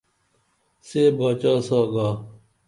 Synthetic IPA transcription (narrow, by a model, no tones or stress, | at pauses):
seːbaːt͡ɕaːsaːɡaː